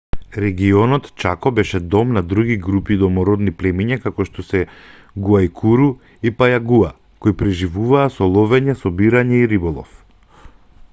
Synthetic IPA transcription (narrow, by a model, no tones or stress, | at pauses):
ɾɛɡiɔnɔt̪t͡ʃakɔbɛʃɛd̪ɔmnad̪ɾuɡiɡɾupid̪ɔmɔɾɔd̪niplɛmiɲakakɔʃt̪ɔsɛ | ɡuaikʰuɾu | ipajaɡua | koipɾɛʒivuvaːsɔlˠɔvɛɲɛsɔbiɾaɲɛiɾibɔlˠɔ̰f